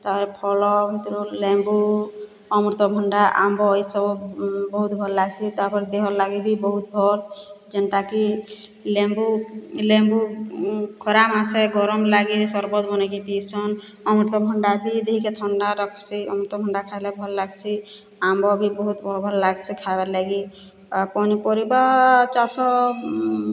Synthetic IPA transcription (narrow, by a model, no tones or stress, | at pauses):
t̪aɾpɔɾɛpʰɔlɔbʱit̪ɔɾulɛmbu | ɔmɾit̪ɔbʱɔɳɖaʔa̰mbɔːjsɔbɔbɔɦut̪bʱɔllaɡsʰit̪aɾpɔɾɛd̪eɦɔllaɡibibɔɦut̪̚bʱɔld͡ʒɛnʈaki | lembulembu | kʰɔɾamaseɡɔɾɔmlaɡibisɔɾbɔt̪bɔnakipisɔn | ɔmɾit̪ɔbʱɔɳɖabid̪eɦikɛt̪ʰɔnɖaɾɔkʰsiɔ̰mɾit̪ɔbʱɔɳɖakʰalɛbʱɔllaɡsʰi | ambɔbibɔɦut̪bɔbʱɔllaɡsikʰabalaɡi | pɔnipɔɾibat͡ʃasɔ